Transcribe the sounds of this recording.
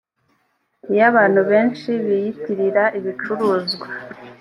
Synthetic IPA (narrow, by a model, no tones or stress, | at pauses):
ijaβaːn̥huβe̞ːnʃiβijitiɾiɾaʔiβit͡ʃuɾuːzɡwa